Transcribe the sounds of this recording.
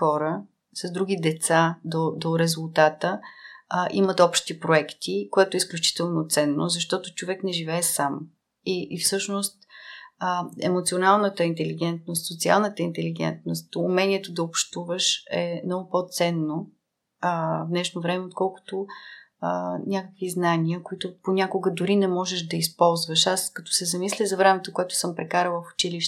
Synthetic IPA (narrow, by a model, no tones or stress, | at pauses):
xɔɾə | sɐsd̪ɾuɡ̟id̪ɛt̪sad̪od̪oɾɛzʊlˠt̪at̪ə | ʔimət̪ɔpʃt̪ipɾoɛkt̪ikoɛt̪oɛisklʲut͡ʃi̥t̪ɛlˠnot̪sɛnːozɐʃt̪ɔt̪ʊt͡ʃovɛknɛʒivɛːsam | iʔːfsɤʃnost̪əɛ̰mot̪sionalˠnət̪əint̪ɛliɡ̟ɛnt̪̚nost̪sot̪sia̰lˠnət̪əint̪ɛliɡ̟ɛ̰nt̪nost̪umɛniɛt̪od̪ɐopʃt̪uvəʃɛmnɔɡʊpot̪sɛnːo | əvd̪nɛʃnovɾɛmɛot̪̚kɔlˠkʊ̥t̪o | ənʲakəkviznaniəkoit̪ʊponʲakʊɡəd̪ʊɾinɛmɔʒɛʃd̪ɐispɔlˠzvəʃaskɐt̪ɔ̥sɛzɐmislʲizɐvɾɛmɛt̪okoɛt̪ʊ̥sɤmpɾɛkaɾəlˠəfʊ̥t͡ʃiliʃ